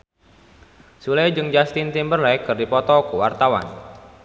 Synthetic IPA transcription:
sulɛd͡ʒɨŋd͡ʒast̪int̪imbərlɛkɨrdipɔt̪ɔkuwart̪awa̰n

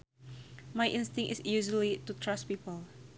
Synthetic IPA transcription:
majʔɪ̃nstɪ̃ŋʔɪ̰sjuʒəlitutʰɹaspiːpəl

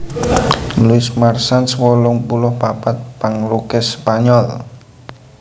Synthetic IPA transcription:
luɪsmarsanswɔlʊŋpulʊhpapat̪̚paŋlukɪspaɲɔl

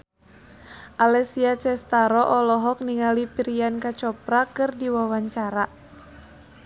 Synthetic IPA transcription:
ʔalɛsiat͡ʃɛst̪aɾɔʔɔlɔɦɔk̚niŋalipiɾiankat͡ʃɔpɾakɨrdiwawaɲt͡ʃaɾa

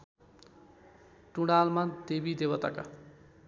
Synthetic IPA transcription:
ʈuɽalmad̪ebid̪ebʌt̪a̰ka̰

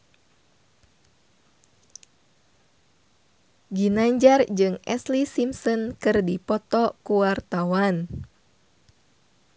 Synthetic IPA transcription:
ɡinaɲd͡ʒard͡ʒɨŋɛslisimsɔnkɨrdipɔt̪ɔkuwart̪awan

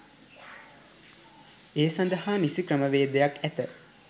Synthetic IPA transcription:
eːsand̪ɐɦaːnisikɾəməʋeːd̪əjakæt̪ə

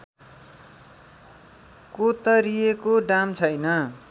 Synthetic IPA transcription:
kot̪ʌɾijekoɖamt͡sʰʌjnʌ

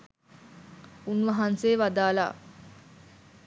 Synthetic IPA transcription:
unʋɐɦanseːʋad̪aːla̰

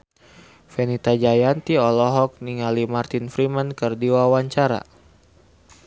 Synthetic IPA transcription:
fɛnit̪ad͡ʒajant̪iɔlɔɦɔk̚niŋalimart̪infɾimankərdiwawaɲt͡ʃaɾa̰

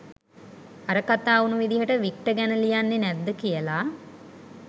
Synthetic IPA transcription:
aɾəkat̪aːunuʋid̪iɦəʈəʋik̚ʈəɡænəlijanːenæd̪ːəkijəlaː

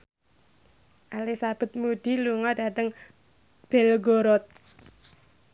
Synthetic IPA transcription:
ʔalisab̥ə̤t̪̚muɖ̥iluŋɔda̤t̪əŋ | b̥ɛlɡoɾɔt̪̚

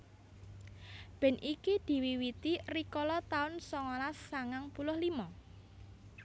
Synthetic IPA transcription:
b̥ɛ̤nʔikid̪̥i̤wiwit̪irikɔlɔt̪aʊnsɔŋɔlasːaŋaŋpulʊhlimɔ

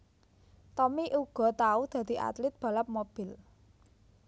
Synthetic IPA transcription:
t̪ɔmiʔuɡ̥ɔ̤t̪aud̪̥ä̤d̪̥i̤ʔa̰t̪lɪt̪̚b̥ä̤lap̚mob̥ɪl

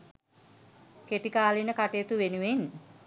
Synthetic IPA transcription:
keʈikaːlinəkaʈejːt̪uʋenuʋen

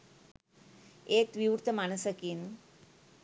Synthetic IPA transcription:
ek̚ʋiwuɾt̪əmañəsəkiːn

